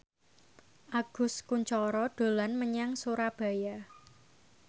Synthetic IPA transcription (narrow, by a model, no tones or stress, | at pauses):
ʔaɡ̥ʊ̤skuɲt͡ʃɔɾɔɖ̪̥o̤lanməɲaŋsuɾab̥a̤ja